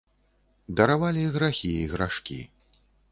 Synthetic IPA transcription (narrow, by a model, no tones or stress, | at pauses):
d̪ɐɾavalʲiɣɾaxʲiiɣɾaʂkʲḭ